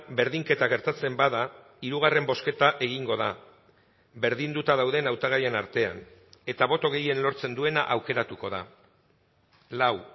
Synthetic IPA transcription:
be̞ɾðiŋke̞t̪aɣ̞e̞ɾt̪at͡se̞mbaða | iɾuɣ̞are̞mbo̞ske̞t̪aʔe̞ɣ̞iŋɡo̞ða | be̞ɾðind̪ut̪að̞awðe̞nawt̪aɣaje̞naɾt̪e̞a̰ne̞t̪aβo̞t̪o̞ɣe̞je̞nlo̞ɾt͡se̞nd̪ue̞na̰ʔawke̞ɾat̪uko̞ð̞a | law

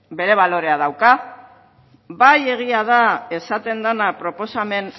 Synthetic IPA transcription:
be̞ɾe̞β̞alo̞ɾe̞að̞awka | baje̞ɣ̞iað̞ae̞sat̪e̞nd̪anapɾo̞po̞same̞n

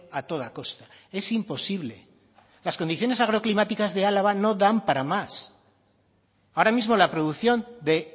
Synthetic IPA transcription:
at̪o̞ð̞ako̞st̪ae̞simpo̞siβle̞̰ | lasko̞nd̪iθjo̞ne̞saɣ̞ɾo̞klimat̪ikazðe̞alaβano̞ðampaɾamas | aoɾamizmo̞lapɾo̞ðuθjo̞nd̪e̞

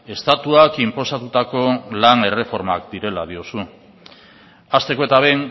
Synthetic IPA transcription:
e̞st̪at̪uakimpo̞sat̪ut̪ako̞lane̞re̞fo̞ɾmakd̪iɾe̞lað̞io̞su | ast̪e̞koe̞t̪aβ̞e̞jŋ

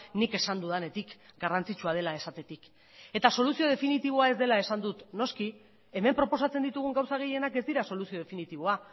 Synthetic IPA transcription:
nike̞sand̪uðane̞t̪ikɡarant͡sit͡ʃuað̞e̞laesat̪e̞t̪ik | e̞t̪aso̞lusio̞ð̞e̞finit̪iβ̞o̞ae̞zd̪e̞lae̞sand̪ut̪no̞ski | e̞me̞mpɾo̞po̞sat͡send̪it̪uɣ̞uŋɡawsaɣ̞e̞je̞nake̞zd̪iɾaso̞lusio̞ð̞e̞finit̪iβ̞o̞a

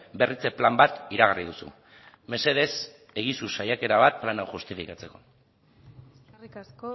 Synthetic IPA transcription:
be̞rit͡se̞plambat̪iɾaɣarið̞usṵ | me̞se̞ð̞e̞s | e̞ɣisusajake̞ɾaβ̞at̪̚planawxust̪ifikat͡se̞ko̞

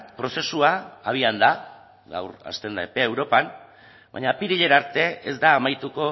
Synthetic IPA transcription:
pɾo̞se̞suaːβ̞iand̪a | ɡa̰wɾa̰st̪e̞nd̪aepeːwɾo̞pan | ba̰ɲapiɾiʎe̞naɾt̪e̞ezd̪aːmajt̪uko̞

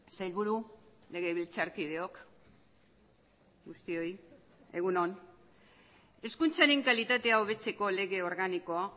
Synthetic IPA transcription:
sajlβuɾu | le̞ɣe̞β̞ilt͡saɾkið̞e̞o̞k | ɡust̪io̞j | e̞̰ɣuno̞n | e̞skunt͡saɾe̞ŋkalit̪at̪e̞aoβ̞e̞t͡se̞ko̞le̞ɣe̞o̞ɾɣaniko̞a

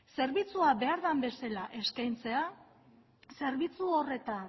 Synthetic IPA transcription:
se̞ɾβit͡suaβe̞aɾðambe̞selaʔe̞skajnt͡se̞a | se̞ɾβit͡suo̞re̞t̪an

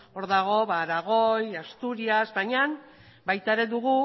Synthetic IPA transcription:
o̞ɾðaɣ̞o̞βaɾaɣ̞o̞jast̪uɾiazbajɲan | bajt̪aeɾe̞ðuɣ̞u

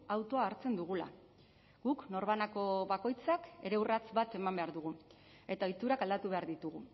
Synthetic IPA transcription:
awt̪o̞aːɾt͡se̞nd̪uɣ̞ula̰ | ɡ̥ukno̞ɾβanako̞βako̞jt͡sake̞ɾe̞wrat͡sbat̪e̞mambe̞aɾðuɣ̞u | e̞t̪ao̞jt̪uɾakald̪at̪uβe̞aɾðit̪uɣu

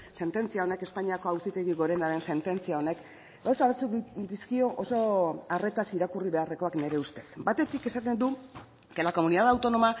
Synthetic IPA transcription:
se̞nt̪e̞nt͡siao̞ne̞ke̞spaɲiako̞awsit̪e̞ɣiɣo̞ɾe̞naɾe̞nse̞nt̪e̞nt͡siao̞ne̞k | ɡawsaβat͡sud̪iskio̞ʔoso̞are̞t̪asiɾakuriβe̞are̞ko̞akne̞ɾe̞ust̪e̞sbat̪e̞t̪ike̞sat̪e̞nd̪u | kelako̞muniðaðawt̪o̞no̞ma

